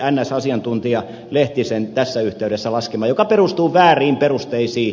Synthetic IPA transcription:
ænːæsɑsiɑnt̪unt̪iɑ | leht̪isent̪æsːæyht̪eyɾesːælɑskemɑːjokɑperust̪uːʋæːriːmperust̪eisiː

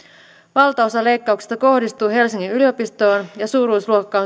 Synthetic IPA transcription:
ʋɑlt̪ɑosɑle̞jkːɑukse̥st̪ɑko̞hdist̪uːɦe̞lsiŋːinylio̞pist̪o̞ːnjɑsuːɾuisluokːɑo

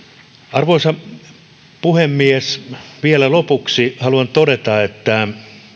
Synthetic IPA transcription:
ɑrʋoisɑ | puhemːiesʋielælopuksihɑluɑnt̪odet̪ɑet̪ːæ

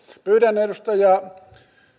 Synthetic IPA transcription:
pyːtæneˑrust̪ɑjɑ

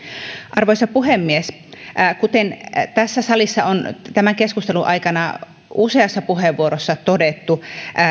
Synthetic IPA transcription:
ʔɑrʋojsɑpuɦemːies | kut̪ent̪æsːæsɑlisːɑont̪æmæŋkeskust̪eluʔɑikɑnɑ | ʔuse̞ɑsːɑpuheʋːuoɾosːɑt̪odet̪ːu

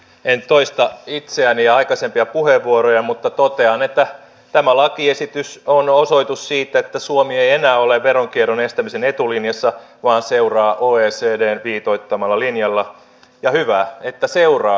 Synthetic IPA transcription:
ent̪oist̪ɑit̪seæniɑɑikɑsempiɑpuheʋːuoɾojɑmut̪ːɑt̪ot̪eɑnet̪ːæ | t̪æmælɑkiesit̪ysonosoit̪ussiːt̪æet̪ːæsuomiejenæːoleʋʋeɾoŋkieɾonest̪æmisenet̪ulinjɑsːɑʋɑːnseurɑːʔoːeːseːdeːnʋiːt̪oit̪ːɑmɑlːɑlinjɑlːɑ | jɑhyʋæet̪ːæseurɑː

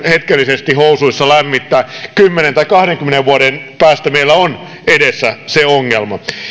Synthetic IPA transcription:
het̪kelːisest̪ihousuisːɑlæmːit̪ːæːkymːenent̪ɑikɑhɾeŋkymːeneʋʋuoɾenpæːst̪æmeilːæon | edesːæseoŋːelmɑ

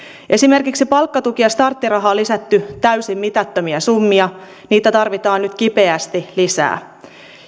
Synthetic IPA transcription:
ʔe̞sime̞rkiksipɑlkːɑt̪ukiɑst̪ɑrt̪ːirɑɦɑːlːisæt̪ːyt̪æysimːit̪æt̪ːømiæsumːiɑ | niːt̪æt̪ɑrʋit̪ɑːnnyt̪k̟ipe̞æst̪ilisæ̰ː

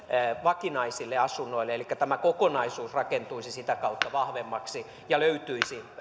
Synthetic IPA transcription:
ʋɑkinɑisilːeɑsunːoileelikːæt̪æmækokonɑisuːsrɑkent̪uisisit̪ækɑut̪ːɑʋɑhʋemːɑksi | jɑløyt̪yisi

